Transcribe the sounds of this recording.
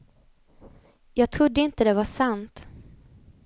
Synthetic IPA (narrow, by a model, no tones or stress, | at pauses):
jɑːɡ̚t̪ʰɾʊd̪ːəɪnt̪əd̪ɛvaʂant̪